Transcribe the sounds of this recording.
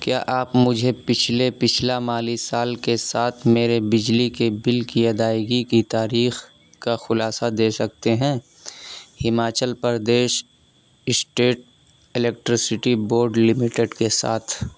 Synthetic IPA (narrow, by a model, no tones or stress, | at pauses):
kja̰ːʔaːpmʊd͡ʒʱepɪt͡ʃʰlepɪt͡ʃʰlamaːlisaːlkesaːt̪ʰmeːɾebɪd͡ʒlikebɪlkiɐd̪aːɪɡikit̪aːɾiːx | kaxʊlaːsad̪eːsɐk̚t̪eɦɛ̃ː | hɪmaːt͡ʃəlpəɾd̪eːʃ | ɪsʈeːʈ̚ | ɪlek̚ʈɾɪsɪʈiboːɾɖlɪmɪʈeɖkesa̰ːt̪ʰ